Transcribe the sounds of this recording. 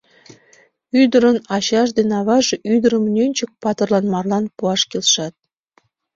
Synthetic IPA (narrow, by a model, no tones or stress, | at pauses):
yd̪ə̆ɾə̆nɑɕɑʃ̬d̪enɑβɑʒʔyd̪əɾə̆mnʲønʲt͡ɕək̚pɑt̪ərlˠɑnmɑrlˠɑnpuɑʃkʲelʲʃɑt̪̚